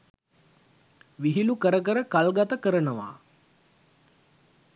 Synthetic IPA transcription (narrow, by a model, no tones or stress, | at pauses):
ʋiɦilukəɾək̬əɾəkalɡat̪əkəɾənəʋa̰ː